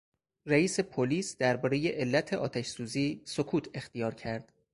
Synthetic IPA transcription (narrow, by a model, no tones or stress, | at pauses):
ræiːse̞pʰoliːsd̪̥æɾbɒːɾeje̞ʔelːæt̪ʰe̞ʔɒ̰ːt̪ʰæʃsuːziːsokʰuːt̪ʰe̞xt̪ijɒːɾcʰæɾd̪̥